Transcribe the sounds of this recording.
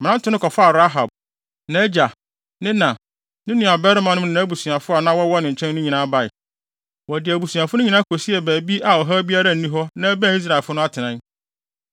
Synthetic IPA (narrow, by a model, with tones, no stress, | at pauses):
mɪ̃˨nã˦n̩˦tʰʊ˦nʊ̃˦kʰɔ˨fa˦a˨ɾa˦ɦa˨b̚ | nã˦d͡ʑa˨ | nɪ̃˦nã˨ | nɪ̃˦nũ˨a˨bɛ˦ɾmã˨nʊ̃˦nã˨˦bu˨su˨a˨fʊ˦a˨nã˦wɔ˦wɔ˦nɪ̃˨ɲ̩˨t͡ɕʰɛ̃˦n˦nʊ̃˦ɲĩ˨nã˦ba˨ɪ˨ | wɔ˨dɪ˨æ˨bu˨sũ˨a˨fʊ˦nʊ̃˦ɲĩ˨nã˦kʰo˨si˦ɛ˨bæː˨bi˦a˨ɔ˨ɦa˦bi˦a˦ɾa˦˨n̩˨nĩ˦ɦɔ˦nã˦æ˦bæ̃˦˨i˦s̬ɾa˨ɛ˨fʊ˦nʊ̃˦a˦tʰɪ˨nã˦